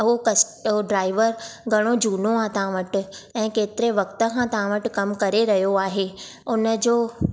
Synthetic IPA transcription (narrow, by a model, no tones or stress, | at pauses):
ɦokɐɦoɖɾaːɪʋəɾɡʱɐɽ̃od͡ʑuːnoãt̪ãʋəʈ̆ɛ̃ːkeːt̪ɪɾeʋɐkt̪ə̆kʰãt̪ɐʋ̤ãʋəʈkɐmkɐɾeɾɐɦjoaːɦe | ʊnəd͡ʑoː